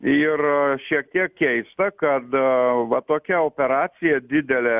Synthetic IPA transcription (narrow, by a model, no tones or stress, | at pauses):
ɪrʃʲiɛk̚t̪ʲiɛk̚kʲɛɪst̪ɐkɐt̪ʋɐt̪oːkʲɛoːpʲɛɾɑːt̪sʲɪjɛd̪ʲɪd̪ʲɛlʲɛ